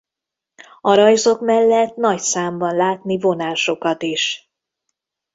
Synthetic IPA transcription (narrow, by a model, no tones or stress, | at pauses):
ɒɾɒjzo̞kmɛlːɛt̪nɒcsaːmbɒnlaːt̪nivo̞naːʃo̞kɒt̪iʃ